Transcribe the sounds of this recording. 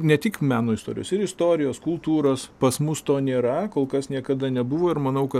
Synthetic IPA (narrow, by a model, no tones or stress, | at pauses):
nʲɛt̪ʲɪkmʲæːnoːɪst̪oːɾ̰ʲjo̰ːsɪɾɪst̪oːɾʲɪjoːskʊlˠt̪uːɾoːspɐsmʊst̪oːnʲeːɾɐkoːlˠkɐsnʲiɛkɐd̪ɐnʲɛbʊʋoːɪɾmɐnɐʊkɐ